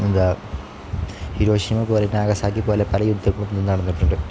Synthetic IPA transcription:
ind̪a | hiɾo̞ːɕimɐpoːlenaːɣɐsaːk̬ːipoːlepɐlɐjud̪ʱːɐkɭunːenːɐɽɐnːɐʈːuɳɖɐ

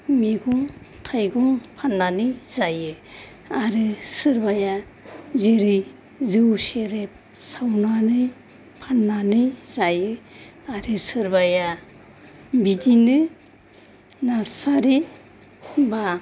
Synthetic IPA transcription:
miɡɔŋtʰajɡɔŋpʰanːanɯjzajɯ | aɾɯsɯɾbaja | zeɾɯj | zɯwseɾep̚ | sawnanɯj | pʰanːanɯjzajɯaɾɯsɯɾbaja | bidinɯ | nasaɾi | ba

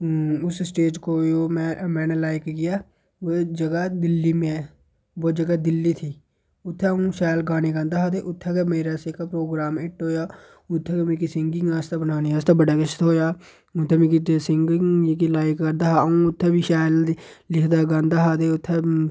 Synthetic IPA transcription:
ʊssʈeːd͡ʒkoːjoːmɛːmɛːneːlaːɪkɡɪjaː | ʋod͡ʒəɡad̪ɪlːiːmẽː | ʋoːd͡ʒəɡaːd̪ɪlːiːt̪ʰiː | ʊt̪ʰːeũːʃaːlɡaːneːɡãːnd̪aːɦaːd̪eːʔʊt̪ʰːeːkemeːɾaːseːkaːpɾoːɡɾaːmɪʈɦoːjaː | ʊt̪ʰːeːkemeːkisɪŋɡɪ̃ŋɡaːst̪abənaːneːaːst̪aːbəɖaːkəʃt̪ɦoːjaː | ʊt̪ʰːeːmẽkisɪŋɡkilaːɪkːəɾd̪aːɦaũːʊt̪ʰːeːbiʃaːjllɪkʰd̪aːɡãːnd̪aːɦaːd̪eːʊt̪ʰːeː

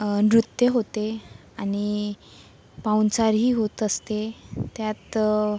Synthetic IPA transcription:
nɾut̪jəɦot̪e | añi | pawnt͡saɾɦiːɦot̪əst̪et̪jat̪

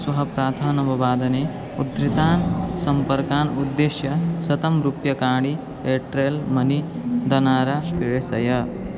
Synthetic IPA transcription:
swɐɦɐpɾaːd̪ʱaːnɐʋɐʋaːd̪ɐne | ud̪ɾit̪aːnsɐmpɐɾkaːnud̪ːeːʃjɐsɐt̪ɐmɾupjɐkaːɽi | eːʈɾelmɐnid̪ɐnaːɾaːpiɭesɐjɐ

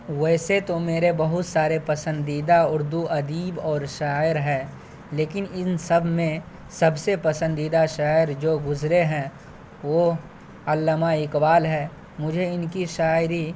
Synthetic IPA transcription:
ʋɛːset̪omeːɾebɐɦʊt̪saːɾepɐsə̃nd̪iːd̪aʊɾd̪uʔɐd̪iːbɔːɾʃaːɪɾɦɛ̃ː | leːkɪnɪnsɐbʱmẽ | sɐbsepɐsə̃nd̪iːd̪aʃaːɪɾd͡ʒoːɡʊzɾeɦɛ̃ | ʋo | ɐlːəmaɪkbaːlɦɛː | mʊd͡ʒʱeɪnkiʃaːɪɾi

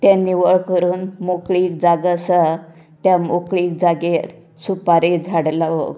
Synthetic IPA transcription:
t̪janːiʋəɭkəɾuːnmokɭiːkd͡zaɡəsə | t̪jamokɭiːk̚d͡zaɡe | supaɾed͡zʱaɽlaʋo̰

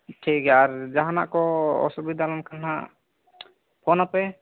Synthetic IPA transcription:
ʈʰikaɾd͡ʒaɦana̰ʔkɔɔ̰subid̪ʱalɔnkana̰ | pʰɔnapɛ

